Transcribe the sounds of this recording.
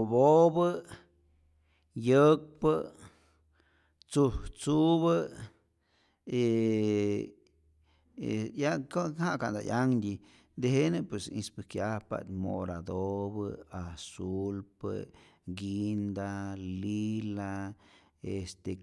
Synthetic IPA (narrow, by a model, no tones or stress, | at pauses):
bobə | jək̚pə | t͡suht͡suβə | e | ejakohaʔkand̪a̰jaŋd̪ʲi | d̪eɦenɨpwesḭ̃spɨkjahpa̰t̪mo̰ɾad̪obəasulpə̰ɡind̪alila | est̪e